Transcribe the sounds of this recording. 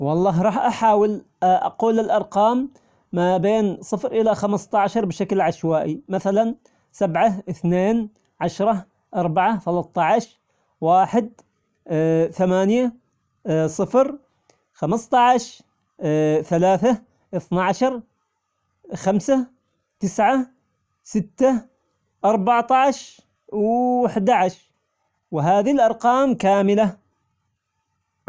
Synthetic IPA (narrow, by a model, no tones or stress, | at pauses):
wɑlˤːɑːɦɾˤɑːħʔaħaːwɪl | ʔa̰quːlːɪlʔɑɾˤqɑːmː | abeːnsˤɨfɾʔɪlaxamst̪ˤɑʕaʃɑɾˤbʃaklʕaʃwaːʔimaθalan | sabʕaʔɪθneːn | ʕaʃɾˤɑ | ʔɑɾˤbaʕaθalɑt̪ˤːɑʕaʃ | waːħɪd̪̚ | θamaːnja | sˤɨfɾ | xamɨst̪ˤɑʕʃ | θalaːθa | ʔɨθnaʕaʃɑɾˤ | xamsa | t̪ɪsʕa | sɪt̪ːa | ʔɑɾˤbaʕt̪ˤɑʕʃ | waħd̪aʕaʃ | wɪɦaːðilʔɑɾˤqɑːmkaːmɪla